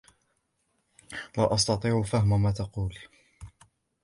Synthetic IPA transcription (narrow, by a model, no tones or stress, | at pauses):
waʔɑs̬t̪ɑt̪ˤiːʕʊfahmamaːt̪ɑquːl